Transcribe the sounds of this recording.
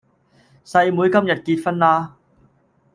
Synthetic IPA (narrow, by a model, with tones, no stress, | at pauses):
sɐ˧jmuː˨˧jkɐ˥mjɐ˨t̚kiː˧t̚fɐ˥nlaː˥